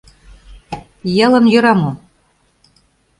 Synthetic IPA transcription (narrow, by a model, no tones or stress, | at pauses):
jɤ̆lɤ̆mjø̆ɾɑmo